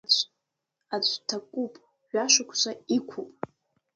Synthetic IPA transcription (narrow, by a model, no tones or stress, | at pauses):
at͡ɕʷʰtʰakʼupʼ | ʒᶣaʃʷakʷʰʃʷaikʷʰupʼ